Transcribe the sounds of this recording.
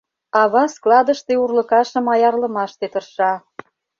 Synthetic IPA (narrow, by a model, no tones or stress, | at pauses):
ɑβɑsklˠɑd̪ə̆ʃt̪eurlə̆kɑʃə̆mɑjɑrlə̆mɑʃt̪et̪ərʃɑ